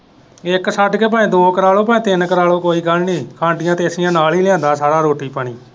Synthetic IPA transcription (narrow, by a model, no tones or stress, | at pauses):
ɪksəʈkeːp̬əːẽːd̪oːkəɾaːloːpə̃ẽːt̪ɪnkəɾaːloːkoːiːɡəlniːkʰãːɳɖɪjãːt̪eːsɪjãːnaːliːlɪjãːnd̪aːsaːɾaːɾoːʈiːpəɳiː